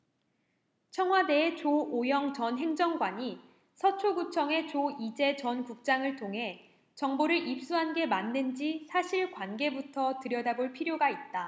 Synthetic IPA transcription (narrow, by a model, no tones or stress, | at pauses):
t͡ɕʰʌŋɦwade̞ːt͡ɕoojʌŋt͡ɕʌnɦe̞ŋd͡ʑʌŋɡwaɲi | sʰʌt͡ɕʰoɡut͡ɕʰʌŋe̞t͡ɕoid͡ʑe̞t͡ɕʌnkuk̚t͡ɕ͈aŋɯɭtʰoŋɦe̞ | t͡ɕʌŋboɾɯɾip̚s͈uɦanɡe̞mandɯnd͡ʑisʰaɕʰiɭkwanɡe̞butʰʌtɯɾjʌdaboɭpʰiɾjoɡait̚t͈a